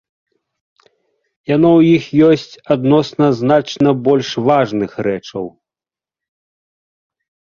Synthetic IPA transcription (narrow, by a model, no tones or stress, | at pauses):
janɔwjixjɔsʲt͡sʲad̪nɔsnɐzn̪at͡ʂnɐbɔlʲʂvaʐnɨxrɛt͡ʂɐw